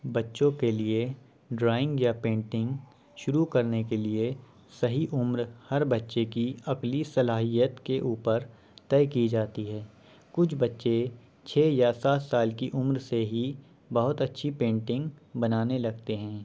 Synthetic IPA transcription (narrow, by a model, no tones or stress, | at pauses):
bɐtːʃõkelie | ɖɾaːɪ̃ŋɡjapẽːɳʈɪ̃ŋɡ | ʃʊɾukɐɾnekelie | sɐɦiʔʊmɾhɐɾbɐtːʃekiɐklisɐlaːɦijət̪keʔuːpəɾ | t̪ɛːkid͡ʒaːt̪iɦɛː | kʊt͡ʃʰbɐtːʃe | t͡ʃʰɛːjasaːt̪saːlkiʔʊmɾseɦi | bɐɦʊt̪ɐtːʃʰipẽːɳʈɪ̃ŋɡbɐnaːnelɐɡ̚t̪eɦɛ̃ː